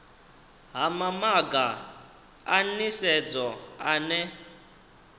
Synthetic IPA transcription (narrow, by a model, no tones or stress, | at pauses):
ɦamamaɡa | anisɛd͡zɔanɛ